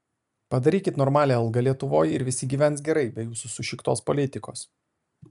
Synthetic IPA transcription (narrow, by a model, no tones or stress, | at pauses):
pɐd̪ɐɾʲiːkʲɪt̪nɔːɾmɑːlʲeːɐlˠɡɐlʲiɛt̪ʊʋoːjɪɾʋʲɪsʲɪɡʲiːʋʲɛnt̪s̬ɡʲɛɾɐɪbʲɛjuːsʊsʊʃʲɪkt̪oːspɔlʲɪt̪ʲɪko̰ːs